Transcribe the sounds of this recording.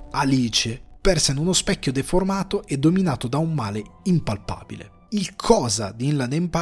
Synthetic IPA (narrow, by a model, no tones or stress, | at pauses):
aliːt͡ʃepɛrsenunospɛkʲːod̪eformaːt̪oʔed̪ːominaːt̪od̪aumːaːleimpalpa̰ːbilḛ | ilkʰɔːza̰d̪iinlad̪empa